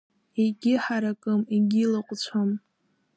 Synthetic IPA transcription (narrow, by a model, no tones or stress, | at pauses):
iɡʲɪħaɾakʼɨmiɡʲilɨqʷʼt͡ɕʷʰam